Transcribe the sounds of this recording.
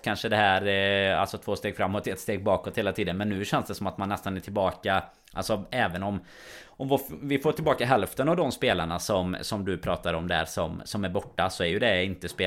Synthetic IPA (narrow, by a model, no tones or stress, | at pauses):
kʰanʂəd̪ɛhæːɾa̰lsɔt̪ʰvoːst̪eːɡfɾamːɔt̪ɛt̪st̪eːɡ̚bɑːkɔt̪heːlat̪ʰiːd̪ənmɛnːʉ̟ːɕɛnsd̪ɛsɔmat̪manːɛst̪anæʈʰɪlbɑːka | ʔa̰lsɔɛːvənɔm | ɔmvovɪfoːʈʰɪlbɑːkaɦɛlft̪ənavd̪ɔmspeːlaɳasɔmsɔmd̪ɵpʰɾɑːt̪aɾɔmd̪ɛæ̰ɾʂɔmsɔmæɾbɔʈːasɔæɾjɵd̪ɛɪnt̪əspeː